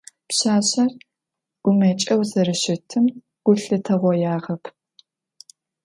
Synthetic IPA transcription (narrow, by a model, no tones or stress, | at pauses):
pɕaːɕɐr | ɡ̥ʷʊmɐt͡ʃʼɐwzɐɾɨɕɪtʰɨm | ɡ̥ʷʊɬɨtʰɐʁʷɔjaːʁɐpʰ